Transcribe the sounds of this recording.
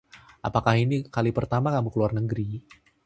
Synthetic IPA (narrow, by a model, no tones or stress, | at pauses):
ʔa̰pakahinikalipərt̪amakamukəluarnəɡɾi